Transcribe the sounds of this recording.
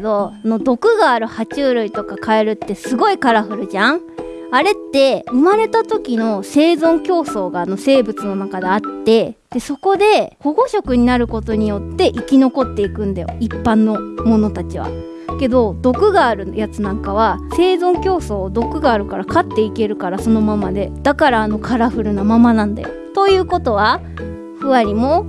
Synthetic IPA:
d̪o̞no̞d̪o̞kɯ̟ɡaːɾɯ̟hat͡ɕɨːɾɯ̟it̪o̞kakae̞ɾɯ̟t̪ːe̞sɨɡo̞ikaɾaɸɯ̟ɾɯ̟ʑãŋ | aɾe̞t̪ːe̞ɯ̟maɾe̞t̪at̪o̞kʲino̞se̞ːzõ̞ŋkʲo̞ːso̞ːɡaːno̞se̞ːbɯ̟t͡sɨno̞nakad̪e̞at̪ːe̞d̪̥e̞so̞ko̞d̪e̞ho̞ɡo̞ɕo̞kɯ̟ɲ̟inaɾɯ̟ko̞t̪o̞ɲ̟ijo̞t̪ːe̞ʔikʲino̞ko̞t̪ːe̞ikɯ̟̃nd̪ajo̞̰ipːãnːo̞mo̞no̞t̪at͡ɕiβa̰ | ke̞d̪o̞d̪o̞kɯ̟ɡaːɾɯ̟jat͡sɨnãŋkaβ̞ase̞ːzõ̞ŋkʲo̞ːso̞ːd̪o̞kɯ̟ɡaːɾɯ̟kaɾakat̪ːe̞ike̞ɾɯ̟kaɾaso̞no̞mamad̪e̞d̪̥akaɾaːno̞kʰaɾaɸɯ̟ɾɯ̟namamanãnd̪a̰jo̰t̪o̞jɯ̟ːko̞t̪o̞β̞a | ɸɯ̟βaɾʲimo̞

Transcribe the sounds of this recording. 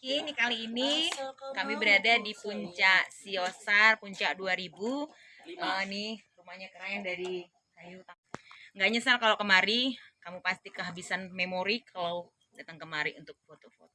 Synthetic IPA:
kinikaliːnikamibəɾadadipuɲt͡ʃaʔsiosarpuɲt͡ʃaʔduaɾibu | ənit͡ʃumaɲakəɾajndaɾi | kajut̪a | ŋɡaʔɲasalkalawkəmaɾikamupast̪ikəɦabisanmemoɾikʰala | dat̪əŋkəmaɾiunt̪ʊk̚fot̪ofo̰t̪o

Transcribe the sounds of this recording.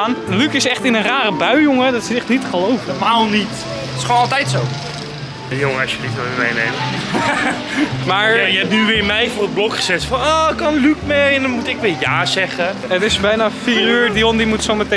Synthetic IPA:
anlykɪsɛχtɪnənraːrəbœɥjʊŋədɔtsəɛχtnitχəlowfmaːlˠnit | ɪ̥sχonɔlˠtɛjtsow | joŋəɔsjəlitʋoʋɪmejnejm | maːɹjəɛp̚nyʋɪːɹmɛjfʊːrəblɔkχə̥sɛtfɔnoːkɑnlykmɛɛndɔnmutɪkʋɪːɹjaːsɛχə | ətɪsbɛjnafiːryːɹdiondimutsoməte

